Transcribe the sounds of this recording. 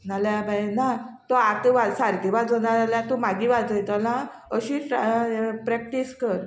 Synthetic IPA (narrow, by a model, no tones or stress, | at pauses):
naljabʱajenat̪ɔat̪əʋasaɾɡiʋad͡zonaɾaljat̪umaɡiːʋad͡zəjt̪əlã | əɕiː | pɾɛk̚ʈiskəɾ